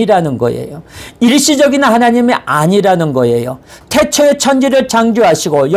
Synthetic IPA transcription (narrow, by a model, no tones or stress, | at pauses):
iɾanɯnɡʌ̰ḛjoiɭɕ͈id͡ʑʌɡinɯnhanaɲimiaɲiɾanɯnɡʌe̞jotʰe̞t͡ɕʰoet͡ɕʰʌnd͡ʑiɾɯɭt͡ɕaŋd͡ʑoɦaɕʰiɡoj